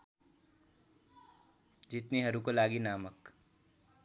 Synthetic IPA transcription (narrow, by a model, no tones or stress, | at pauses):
d͡ʒɪt̪niɦɐɾukolaːɡinaːmək